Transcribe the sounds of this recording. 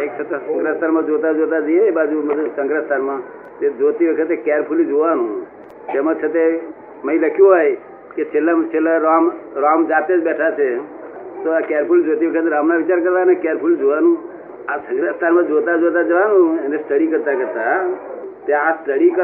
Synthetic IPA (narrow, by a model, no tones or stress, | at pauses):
ekt͡ʃʰət̪asəŋɡɾast̪ʰanmãd͡ʒot̪ad͡ʒot̪ad͡ʒəjebad͡ʒumət̪əsəŋɡɾast̪ʰanmã | t̪ed͡ʒot̪ibəkʰət̪ekɛɾpʰulid͡ʒoʋanũː | t̪emãt͡ʃʰət̪e | məiləkʰjoɦɔj | ket͡ʃʰelat͡ʃʰelaɾamɾamd͡ʒat̪ed͡ʒbɛʈʰat͡ʃʰet̪oakeɾpʰuld͡ʒot̪ibəkʰət̪̬eɾamnãʋit͡ʃaɾkəɾt̪anekɛɾpʰuld͡ʒoʋanũ | ãsəŋɡɾast̪ʰanmãd͡ʒot̪̬ad͡ʒot̪ad͡ʒəʋanũenest̪ʰəɽikəɾt̪akəɾt̪a | t̪eãst̪əɽikə